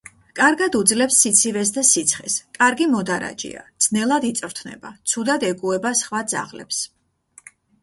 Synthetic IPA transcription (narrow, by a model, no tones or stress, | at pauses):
kʼaɾɡad̪ud̪zlɛpsːit̪sʰivɛs̬d̪asit̪sʰχɛ̰skʼaɾɡimɔd̪aɾa̰d͡ʒḭa̰d̪snɛlˠad̪it̪sʼɾt̪ʰnɛ̰bat̪sʰud̪ad̪ɛɡuɛbasχwad̪za̰ʁlɛ̰ps